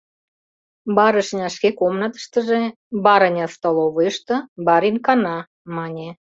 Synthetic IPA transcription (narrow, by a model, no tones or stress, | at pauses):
bɑɾə̆ʃnʲɑʃkekomnət̪ə̥ʃt̪ə̆ʒe | bɑɾənʲɑst̪oloβɤəʃt̪ɤ̆bɑɾinkɑnɑ | mɑnʲe